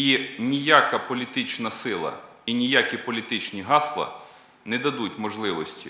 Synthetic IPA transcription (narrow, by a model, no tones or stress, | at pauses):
inʲijakɐpɔlʲit̪ɪt͡ʃnɐsɪlˠɐ̰ | inʲijakʲipɔlʲit̪ɪt͡ʃnʲiɦɑslˠɐ̰ | nɛd̪ɐd̪utʲmɔʒlˠɪʋɔsʲtʲi